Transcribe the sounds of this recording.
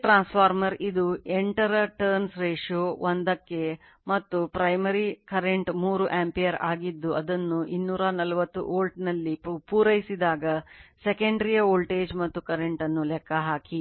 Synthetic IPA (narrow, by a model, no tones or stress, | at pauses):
ʈɾaːnspʰaːɾmɐɾid̪ueɳʈɐɾɐʈɐɾnsɾeːʂoːʋond̪ɐkːe̞ | mɐt̪ːupɾɐjmɐɾikɐɾeɳʈmuːɾuʔaːmpijɐɾaːɡid̪ːuɐd̪ɐnːuʔinːuːɾɐnɐlɐʋɐt̪ːṵʔoːlʈnɐlːipuːɾɐjisid̪aːɡɐsekɐɳɖɾijɐoːlʈe̞ːd͡ʒmɐt̪ːukɐɾeɳʈɐnːulɛkːɐɦaːki